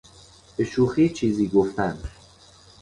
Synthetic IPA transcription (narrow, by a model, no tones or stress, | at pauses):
b̥eʃuːxiːt͡ʃʰiːziːɡoft̪æn